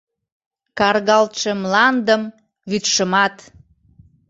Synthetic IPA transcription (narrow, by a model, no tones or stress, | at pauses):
kɑrɣɑlt̪ʃəmlɑnd̪əm | βyt̪ʃəmɑt̪